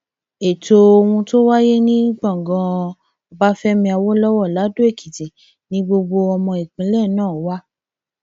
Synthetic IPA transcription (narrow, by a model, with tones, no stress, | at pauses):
e˨to˧o˧wũ˧to˦wa˦je˦nĩ˦ɡ͡bã˦˨ɡɔ̃˧ | ɔ˧ba˦fɛ˦mĩ˧a˧wo˦lɔ˦wɔ˦˨la˨˦do˦e˦˨kʰi˨ti˨ | nĩ˦ɡ͡bo˧ɡ͡bo˧ɔ˧mɔ̃˧e˨k͡pĩ˨˧˦lɛ˦˨nãː˦˨˦wa˦